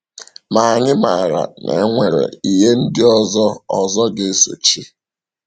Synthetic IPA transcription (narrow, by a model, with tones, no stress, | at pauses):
ma˨ɲɪ˦ma˨ɾa̰˨nʔḛ˨˦ŋʷe˨ɾḛ˨i˨ɦe˦n̩˦dɪ˦ɔ˦zɔ˦ɔ˨zɔ˦ɡe˦so̰˨t͡ʃi˦